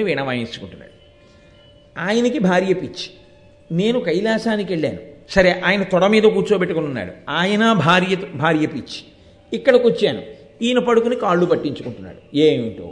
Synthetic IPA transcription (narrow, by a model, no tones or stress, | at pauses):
iʋiːɳɐʋaːnit͡ʃːu̥kuɳʈunːa̰ːɽu | aːjɐnɐkibʱaːɾjɐpit͡ʃːi̥ | ne̞ːnukɐjlaːsaːnike̞ɭːa̰ːnusɐɾeʔaːjɐnɐt̪ɔɽɐmiːd̪ɐk̬uːt͡ʃoːbeʈːukununːa̰ːɽṵaːjɐnɐbʱaːɾjɐbʱaːɾjɐpit͡ʃːi̥ | ikːɐɽɐkot͡ʃːaːnṵ | iːnupɐɽukunikaːɭːupɐʈːiɲt͡ʃukuɳʈunːa̰ːɽueːɳʈo̰ː